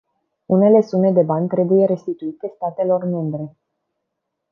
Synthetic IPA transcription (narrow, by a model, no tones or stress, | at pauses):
une̞le̞sume̞d̪e̞banʲt̪ɾe̞buje̞ɾe̞st̪it̪uit̪e̞st̪at̪e̞lo̞rme̞mbɾe̞